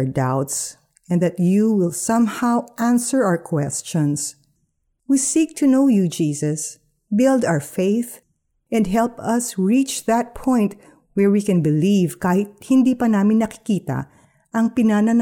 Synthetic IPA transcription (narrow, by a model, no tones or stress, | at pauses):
d̪awt̪s | ʔɛ̃nd̪ɐt̪juwɪlsʌ̃mhawʔæ̃nsəɹaəɹkʰwɛst͡ʃɔ̃ns | wisik̚t̪ʰunoʊjud͡ʒiːsɐs | bɪld̪awəfeɪθ | ʔɛ̃nd̪ɦɛlpɐsɹit͡ʃðɐt̪̚pʰɔ̃jnt̪̚ | wɛɹwikɛ̃nbɪlivkaːhɪt̪̚hɪnd̪iːpɐnaːmɪ̃nːɐkɪ̥kiːt̪ɐ̰ | ʔɐŋpɪnanɐn